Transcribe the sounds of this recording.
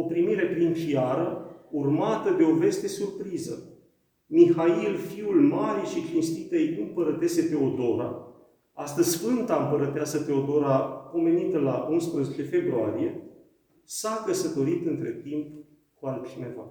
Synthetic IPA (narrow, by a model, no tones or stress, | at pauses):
o̞pɾimiɾe̞plimt͡ʃiaɾəurmat̪əd̪e̞o̞ve̞st̪e̞surpɾizə | mixailfiulmaɾiʃit͡ʃinst̪it̪ejk̪umpəɾət̪ese̞pe̞o̞d̪o̞ɾa̰ | ast̪əzʲsfɨnt̪aɨmpəɾət̪easəpe̞o̞d̪o̞ɾapo̞me̞nit̪əlaʔunspɾəze̞t͡ʃe̞fe̞bɾua̰ɾie̞ | sakəsət̪o̞ɾit̪ɨnt̪ɾe̞̰t̪imp | kualt͡ʃine̞va̰